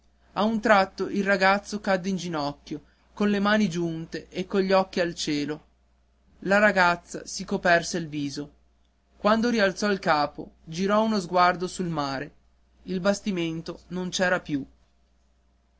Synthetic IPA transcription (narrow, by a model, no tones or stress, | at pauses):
aunt̪ɾat̪ːoʔilraɡat̪sːokad̪ːeind͡ʒinɔkːjo | konlemaːnid͡ʒunt̪eʔekːoʎːiɔkːialt͡ʃɛːlo | laɾaɡat̪sːa̰sikopɛrselviːzo | kwand̪oɾialt̪sɔilkaːpo̰d͡ʒiɾɔunozɡward̪osulmaːɾe | ilbast̪iment̪onont͡ʃɛːɾapju